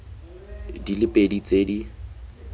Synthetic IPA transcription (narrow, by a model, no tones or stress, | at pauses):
dilɪpʼedit͡sʼedi